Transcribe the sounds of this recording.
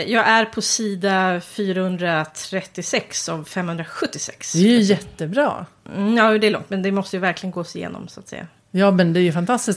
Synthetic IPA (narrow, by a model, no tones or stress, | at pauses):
jɑːɡæɾpʰɔsiːd̪afyːɾahɵnd̪ɾat̪ʰɾɛt̪ːɪsɛksɔvfɛmːhɵnd̪ɾaɧɵt̪ːɪsɛ̰ksd̪ɛjɵjɛtt̪ːəbɾɑ̰ː | jɑːjud̪ɛæːɭɔ̰ŋt̪mɛnd̪ɛmɔst̪əjɵvæɾklɪɡənɡoːsɪjḛːnɔ̰msʊat̪sɛ̰jːa̰ | jɑːmɛnd̪ɛæɾjɵfant̪ʰast̪ɪs